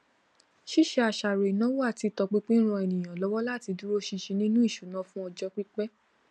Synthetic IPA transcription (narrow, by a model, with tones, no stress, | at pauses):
ʃi˦˨ʃe˧a˨ʃa˨ɾe˨nã˨˦wo˦a˦˨ti˧tɔ˧k͡pi˦k͡pi˦ɾ̃ɔ̃˧ɛ˨nĩ˨j̃ã˨lɔ˦wɔ˦la˦˨ti˧du˦ɾo˦ʃi˧ʃĩ˧nĩ˦nũ˦i˦˨ʃu˨˦nã˨˦fũ˦ɔ˧d͡ʒɔ˦k͡pi˦k͡pɛ˦